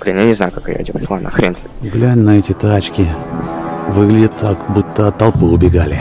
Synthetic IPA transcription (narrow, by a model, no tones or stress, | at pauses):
plʲɪmʲanʲɪzajʊkakja̰ɪdʲoplˠanə̰xɾʲent̪səɡlʲænʲnɐɛtʲɪt̪at͡ɕkʲɪ | vɨɡlʲɪdʲɪt̪akbut̪ːəɐt̪ːɐlˠpɨʊbʲɪɡalʲɪ